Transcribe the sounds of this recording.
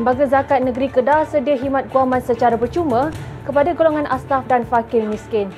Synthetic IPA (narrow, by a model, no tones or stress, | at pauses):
mbaɡazakat̪̚nə̃ɡɾikədasədiaɦimãt̪̚kuamãnsət͡ʃaɾabərt͡ʃumə̃kəpadaɡoloŋãnʔast̪afdanfakɪrmĩskɪn